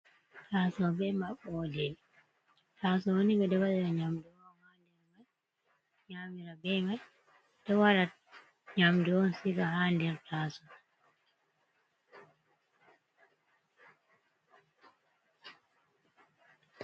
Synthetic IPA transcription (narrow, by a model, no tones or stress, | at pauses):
tasɔbɛmaɓɔdɛm | tasɔwoniɡɛdɔwaɗɛɾaɲamduwɔnhandɛɾmaj | ɲamiɾabɛmaj | d̥ɔwalat̚ | ɲamdɛwɔnsikahandɛɾtʰasɔ